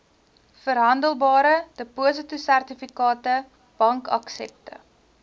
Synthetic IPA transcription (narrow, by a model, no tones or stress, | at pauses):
fəɾɦɐndəlˠbɑːɾəd̥əpuəs̬ətusærtifikɑːtə | b̥ɐŋkɐ̰ksɛ̰p̚tə̰